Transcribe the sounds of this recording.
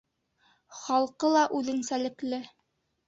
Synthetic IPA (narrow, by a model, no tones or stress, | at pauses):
χɑlˠqɤlˠɑʔʉðɘ̆nsælɘ̆klɘ